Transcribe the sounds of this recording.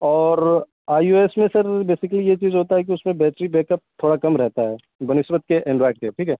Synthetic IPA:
ɔːɾ | aːjuːeːsmẽsɐɾbeːsɪkəlijet͡ʃiːzɦoːt̪aɦɛk̬iʊsmẽbɛːʈɾibeːkəp̚t̪ʰoːɽakɐmɾɛɦt̪aɦɛː | bɐnɪsbət̪̚keʔɛ̃ɳɖɾaːɪɖ̚keʈʰiːkɦɛː

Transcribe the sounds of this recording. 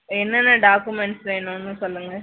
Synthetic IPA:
ɛnːɐnːɐɖaːkumɛɳʈsʋeːnʊ̃nːɯsɔlːɯŋɡɐ

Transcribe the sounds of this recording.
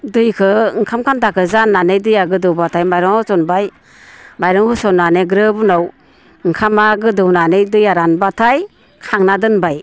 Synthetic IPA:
dɯjkʰɯŋkʰamkʰantakʰɯzanːanɯjdɯjaɡɯdɯwbatʰajmajɾɔŋɔsɔnbaj | majɾɯŋhɯsɔnaneɡɾɯbunaw | ŋkʰamaɡɯdɯwnanɯjdɯjaɾanbatʰaj | kʰaŋnadɯnbaj

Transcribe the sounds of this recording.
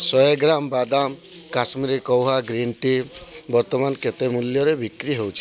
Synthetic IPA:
sɔeɡɾambad̪am | kasmiɾikɔwɦaɡɾiɳʈibɔɾt̪ɔmanket̪emuljɔɾebikɾiɦewt͡ʃʰi̥

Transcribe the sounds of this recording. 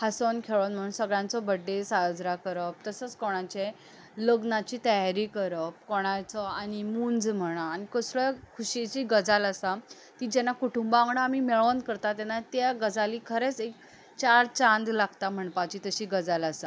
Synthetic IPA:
hasonkʰeɭonm̤əɽ̃uːnsəɡɭãnt͡sɔbəɖːesad͡zɾakəɾəp̚t̪əsət͡skɔɽ̃at͡ɕe | ləɡnat͡ɕiːt̪əjaɾikəɾəp̚kɔɽ̃at͡sɔanimund͡zm̤əɽ̃aːnikəsɭəkʰuɕet͡ɕiːɡəd͡zalasa | t̪id͡ʑɛnakuʈumbaaŋɳəamimeɭonkəɾt̪at̪ɛnat̪jaɡəd͡zalikʰəɾet͡sek̚ | t͡ɕaɾt͡ɕãnd̪laɡt̪am̤əɳpat͡ɕiːt̪əɕiɡəd͡zalasa

